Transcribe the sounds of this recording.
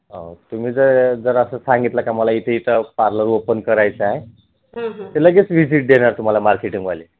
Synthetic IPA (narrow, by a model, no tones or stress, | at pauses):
ʌ̰̃t̪umid͡zʌd͡zʌɾʌsʌsaŋɡit̪lakamʌlajit̪iit̪ʌparnʌɾuopənkʌɾajt͡sʰaẽ | t̪elaɡet͡sbʱid͡ziʈ̚ɖ̪enʌɾt̪um̤alajmarkeʈiŋɡbali